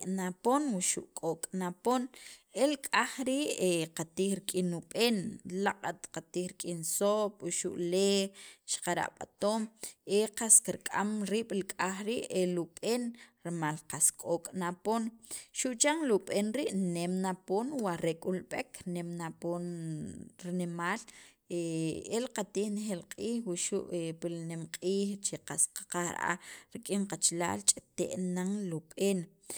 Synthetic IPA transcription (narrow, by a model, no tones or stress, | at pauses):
naponwiʃṵʔkʼokʼnaponelkʼaχɾiːʔeqat̪iːχɾikʼinuɓeːnlaqʼat̪qat̪iːɾikʼinsopʼwuʃṵʔleʃqaɾa̰ʔɓa̰t̪oːmeqaskiɾkʼamɾiːɓ̥lkʼaχɾiʔeluɓeːnɾmalqaskʼoːkʼnaponʃuʔt͡ʃaŋluɓeːnɾiʔnemnapoːnwaɾekʼulɓekʰnemnapoːn | ɾinemaːl | eelqat̪iːhnexelqʼiːxwiʃṵʔepilnemqʼiːχt͡ʃeqasqḁqaxɾ̰a̰ɾikʼiŋqat͡ʃla̰ːlt͡ʃʼet̪ḛʔnaŋluɓeːn